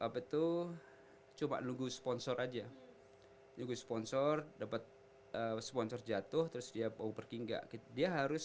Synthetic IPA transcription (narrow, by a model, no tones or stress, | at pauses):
ʔapɛt̪u | t͡ʃuma̰ʔnuɡuspɔnsɔrad͡ʒa | nuɡuspɔnsɔrdapat̪̚ | əspɔnsɔrd͡ʒat̪ʊht̪əɾʊsdiabaubərkiŋɡa̰ʔkit̪diaɦaɾʊs